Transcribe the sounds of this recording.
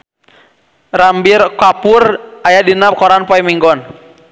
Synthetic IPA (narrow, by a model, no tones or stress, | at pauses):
rambirkapurʔajadinap̚kɔɾanpɔimiŋɡɔn